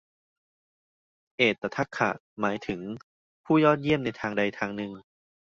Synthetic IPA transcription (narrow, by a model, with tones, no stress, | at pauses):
ʔeː˨˩t̪ːa˧t̪ʰa˦˥˩kʰːa̰˨˩ʔ | maː˩˦jt̪ʰɯ˩˦ŋ | pʰuː˥˩jɔː˥˩t̪̚ji˥˩əmna˧jt̪ʰaː˧ŋda˧jt̪ʰaː˧ŋnɯ˧ŋ